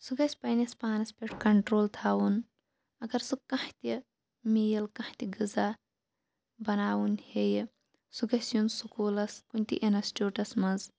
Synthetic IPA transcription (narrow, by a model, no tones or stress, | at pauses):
suɡɐsʲpɐjnʲɐspaːnɐspeʈkɐɳʈɾoːlt̪ʰaːwun | ɐɡɐɾsukɐht̪ʲi | mijɐlkɐ̃ht̪iɡɨzaː | bɐnaːwunhej | suɡɐsjunsukoːlɐskunʲt̪ḭʔenɐsʈʲoːʈɐsmɐz